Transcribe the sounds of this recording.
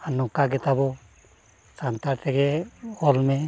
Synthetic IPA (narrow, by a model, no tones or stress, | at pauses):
anɔkaɡɛt̪abɔ | sant̪aʈɛɡɛɔlme